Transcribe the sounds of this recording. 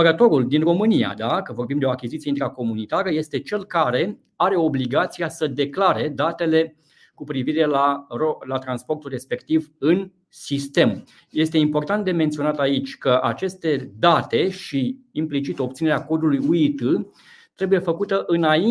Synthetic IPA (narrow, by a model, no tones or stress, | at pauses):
əɾət̪o̞ɾuld̪inro̞mɨnija̰d̪akəvo̞rbimd̪eo̞akʲizit̪sieint̪ɾako̞munit̪aɾəje̞st̪e̞t͡ʃe̞lkaɾe̞ | aɾe̞o̞bliɡat̪sijasəd̪e̞klaɾe̞d̪at̪e̞le̞ | kupɾiviɾe̞larolat̪ɾanspo̞rt̪ulre̞spe̞kt̪ivɨn | sist̪e̞m | je̞st̪e̞impo̞rt̪ant̪d̪e̞ment̪sio̞nat̪ait͡ʃʲkəʔat͡ʃe̞st̪e̞d̪at̪e̞ʃi | implit͡ʃit̪op̚t̪sineeako̞d̪ulujuit̪ɨ | t̪ɾe̞buje̞fəkut̪əʔɨnai